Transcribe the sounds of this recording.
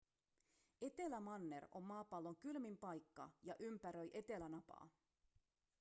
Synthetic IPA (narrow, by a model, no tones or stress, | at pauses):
e̞t̪e̞læmɑnːe̞ro̞mːɑːpɑlːoŋkylmimpɑjkːɑjɑʔympæɾøjʔe̞t̪e̞lænɑpɑ̰ː